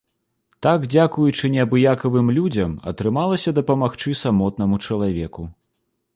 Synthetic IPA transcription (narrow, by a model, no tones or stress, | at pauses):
t̪aɡd͡zʲakujut͡ʂɨnʲɛɐbɨjakɐvɨmlʲud͡zʲɐmɐ̰t̪ɾɨmalˠɐsʲɐd̪ɐpɐmaxt͡ʂɨsamɔt̪̚nɐmut͡ʂɐlˠavʲɛku